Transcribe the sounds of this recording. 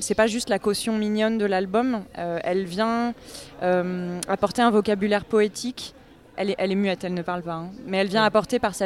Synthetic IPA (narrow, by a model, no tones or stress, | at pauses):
sɛpaʒyst̪lakɔsjɔ̃minjɔnd̪əlalbɔmøɛlvjɛ̃ | ømapɔʁt̪eɛ̃vɔkʲabylɛʁpɔet̪ʰik | ɛlɛʔɛlɛmyɛt̪ɛlnəpaʁlpaɛ̃mɛɛlvjɛ̃apɔʁt̪epaʁsɛ